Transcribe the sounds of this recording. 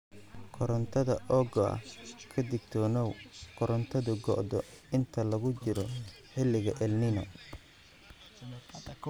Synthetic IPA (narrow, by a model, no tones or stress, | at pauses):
kʰɔɾɐnt̪ʰɐðɐʔɔːɡɔɐ̰hkʰɐd̪ɪɡt̪ʰɔnɔwkʰɔɾɐnt̪ʰɐðʊɡɔ̰ʔd̪ɔɪnt̪ʰɐlɐɣʊt͡ʃɪɾɔ | ħɪlːɪɣɐʔɛlnɪnɔ